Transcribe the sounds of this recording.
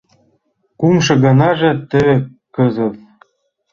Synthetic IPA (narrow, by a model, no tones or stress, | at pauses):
kumʃɤ̆ɣɑnɑʒĕt̪ɘ̆βĕ | kɤ̆zɤ̆t̪